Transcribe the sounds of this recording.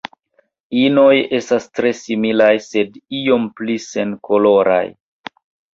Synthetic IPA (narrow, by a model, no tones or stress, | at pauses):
ino̞je̞stastɾe̞similajse̞dio̞mplise̞nkʰo̞lo̞ɾa̰j